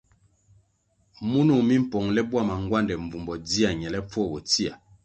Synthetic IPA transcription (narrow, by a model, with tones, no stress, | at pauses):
mu˦nu˨mi˦m̩˦˨pɔ˨ŋlɛ˦bwa˦˨ma˨ŋɡwa˦ndɛ˨ɱ˨vu˨mbɔ˨di˦a˨ɲɛ˨lɛ˦p͡fɔ˦˨bɔ˨ti˦a˨